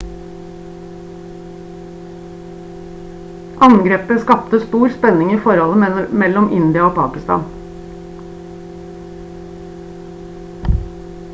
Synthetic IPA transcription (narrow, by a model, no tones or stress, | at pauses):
ʔɑŋɡɾeːpəskɑpt̪əst̪uːɾspɛnɪŋiːfɔɾɔləmɛlɔmʔɪnd̪ɪɑoːpʰɑ̰ːkɪst̪ɑ̰ːn